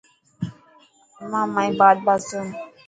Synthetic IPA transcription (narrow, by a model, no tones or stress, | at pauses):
mãmãjbad̪̚basəm